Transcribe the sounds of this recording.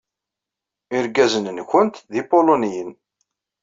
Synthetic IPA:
ɪɾɡæzənnçʊnt̪ðipolonijən

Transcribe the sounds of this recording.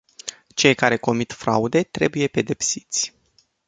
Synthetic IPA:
t͡ʃe̞jkaɾe̞ko̞mit̪fɾa̰ud̪e̞t̪ɾe̞buje̞pe̞d̪e̞psi̥t̪sʲ

